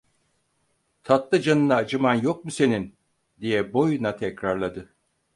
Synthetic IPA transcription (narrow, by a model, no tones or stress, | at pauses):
t̪ʰat̪lˠɯd͡ʒanɯnaːd͡ʒɯmanjok̚muse̞nin | d̪ijɛbo̞junat̪ʰɛcɾaɾlˠad̪ɯ